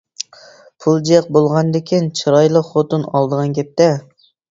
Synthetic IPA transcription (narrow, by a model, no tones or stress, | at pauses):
pʰulˠd͡ʒiq̚bolˠʁɑnd̪ɪkʲʰint͡ʃʰɨɾɑjlˠəχot̪ɨnɑ̰lˠd̪əʁɑnkʲɛp̚t̪ɛ